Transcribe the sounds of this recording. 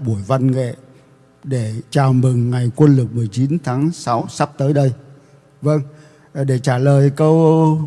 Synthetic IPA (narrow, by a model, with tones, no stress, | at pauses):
ɓu˧˩əjva˧nŋḛ˧˨ | ɗe˧˩t͡ɕaː˨˩wmɨ˨˩ŋŋa˨˩jkwə˧nlɨ˨˩k̚mɨ˨˩əjt͡ɕi˨˦nt̪ʰaː˨˦ŋsa˨˦wsa˦˥p̚t̪əː˨˦jɗə˧j | və˧ŋ | ɗe˧˩t͡ɕaː˧˩ləː˨˩jkə˧w